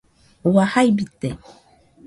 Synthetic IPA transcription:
wahajbit̪e

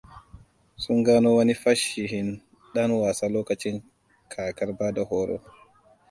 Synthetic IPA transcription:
suŋɡaːnɔwanifaʃːiɦin | ɗanwasalɔːkat͡ʃiŋ | kʰaːkaɾbadahɔːɾɔ̰

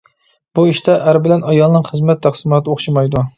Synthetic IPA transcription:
buiʃt̪ɛʔæɾbɪlɛnʔɑjɑlˠnɨŋχəzmɛt̪ʰːæχsɨmɑːt̪ʰɨoχʃimɑjd̪u

